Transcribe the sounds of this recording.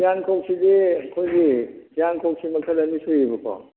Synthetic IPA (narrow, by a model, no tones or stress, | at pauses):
ijankʰok̚sidiɐkʰojɡiijankʰok̚simɐkʰɐlɐnisujibɯkʰɔ̰